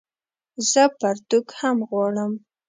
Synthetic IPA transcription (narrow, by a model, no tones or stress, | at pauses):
z̥əpaɾt̪ukhamɣwɑɽəm